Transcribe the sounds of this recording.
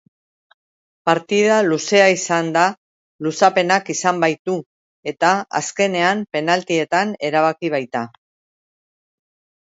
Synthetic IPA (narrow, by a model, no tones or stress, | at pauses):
paɾt̪iðaluse̞aisand̪a | lusape̞nakisambajt̪u | e̞t̪aa̰ske̞ne̞ampe̞nalt̪ie̞t̪ane̞ɾaβ̞akiβ̞ajt̪a